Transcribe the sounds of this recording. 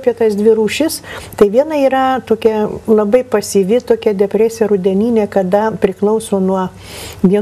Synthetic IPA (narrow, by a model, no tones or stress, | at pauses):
pʲiɛt̪ɐsd̪ʲʋʲɪɾuːʃʲɪst̪ɐɪʋʲiɛnɐiːɾɐt̪oːkʲɛlˠɐbɐɪpɐsʲiːʋʲɪt̪oːkʲɛd̪ʲɛpʲɾʲæːsʲɛɾʊd̪ʲɛnʲiːnʲeːkɐd̪ɐpʲɾʲɪklˠɐʊsoːnuɔ | ʋʲiɛ